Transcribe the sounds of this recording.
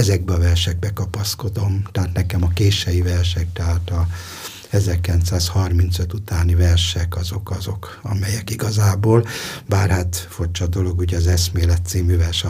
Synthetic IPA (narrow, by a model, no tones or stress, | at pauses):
ɛzɛɡ̚bɛɒvɛrʃɛɡ̚bɛkɒpɒsko̞d̪o̞mt̪ɛɦaːt̪nɛkɛmɒkeːʃɛjivɛrʃɛk̚t̪ɛɦaːt̪ɒ | ɛzɛrkilɛnt̪saːshɒrmint̪søt̪ut̪aːnivɛrʃɛkɒzo̞kɒzo̞k | ɒ̰mɛjɛkiɡɒzaːboːlbaːrhaːt̪fort͡ʃɒd̪o̞lo̞ɡuɟɒzɛsmeːlɛt̪siːmyvɛrʃɛ